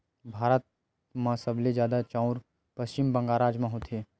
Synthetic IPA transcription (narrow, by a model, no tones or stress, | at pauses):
bʱaːɾət̪̚ | mãsəbled͡ʒjaːd̪at͡ʃãːʊɾ | pəst͡ʃɪmbɐ̃ŋɡaːɾaːd͡ʒmãɦot̪ʰeː